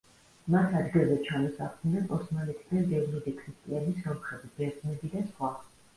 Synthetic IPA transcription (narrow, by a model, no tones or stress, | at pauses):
mat̪ʰad̪ɡilˠzɛt͡ʃʰanisaχʰnapʼɔsmanɛt̪ʰid̪ad̪ɛvnid̪ɛkʰɾist̪ʼianismɔmχɛvibɛɾznɛbid̪asχwa